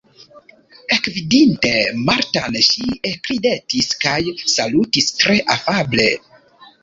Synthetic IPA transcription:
ekvidinte̞maɾtanʃiekɾidetiskajsalutistɾe̞ʔafable̞

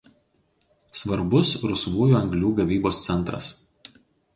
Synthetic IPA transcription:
sʋɐɾbʊsɾʊsʋuːjuːɐŋɡlʲuːɡɐʋʲiːboːst̪sʲɛnˑt̪ɾɐ̰s

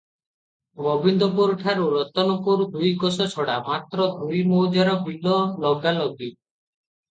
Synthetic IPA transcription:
bɔbind̪ɔpɔɾuʈʰaɾuɾɔt̪ɔnɔpuɾud̪ujɡɔsɔt͡ʃʰɔɽamat̪ɾɔd̪ʱujmɔwd͡ʒaɾɔɦbilɔlɔɡalɔɡi

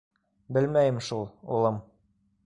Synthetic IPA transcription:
bɘlmæjɘmʃulˠṵlˠɤm

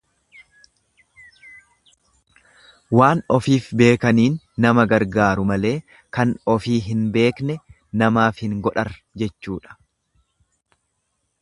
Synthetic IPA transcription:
waːnɔfiːfbe̞ːkɐniːnːɐmɐɡɐɾɡaːɾʊmɐle̞ː | kɐnɔfiːɦɪnbe̞ːknɛ | nɐmaːfhɪŋɡɔᶑɐɾ | d͡ʒɛt͡ʃːuːᶑɐ̥

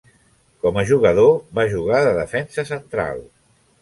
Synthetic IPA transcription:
kɔməʒuɣəðoβaʒuɣ̞aðəðəfɛnsəsənt̪ɾa̰lˠ

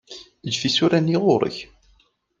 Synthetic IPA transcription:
əd͡ʒfisuɾæniʁʊɾˤə̰ç

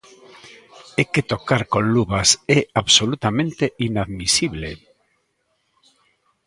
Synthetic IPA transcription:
eket̪okaɾkonluβasɛaβsolut̪amẽnt̪einaðmisiβle

